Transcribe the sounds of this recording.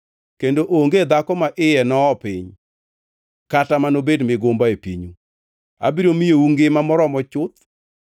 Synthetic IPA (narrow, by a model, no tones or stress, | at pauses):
kendoʔoŋɡed̪akɔmaʔɪjɛnɔːpɪɲ | katamanobedmɪɡombaepḭɲu | a̰biɾomiouŋɡɪmamɔɾɔmɔt͡ʃʊt̪